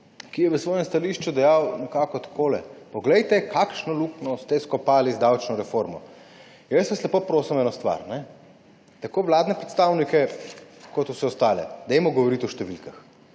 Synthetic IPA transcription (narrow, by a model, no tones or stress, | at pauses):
kijɛʋəsʋɔːjɛmst̪aliʃt͡ʃud̪ɛjawnɛkaːkɔt̪ḁkʰoːlɛ̰pɔɡlɛjt̪ɛkʰakʃnɔluknɔst̪ɛskɔpaːlizd̪awt͡ʃnɔɾɛfoɾmɔ̰ | jəsʋaslɛpopɾoːsimɛːnost̪ʋa̰ɾnɛ | t̪akoːʋlaːd̪nɛpɾɛt̪st̪awnikɛkɔt̪uwsɛɔst̪aːlɛ̰d̪ɛjmɔɡɔʋɔɾit̪ɔʃt̪ɛʋilkax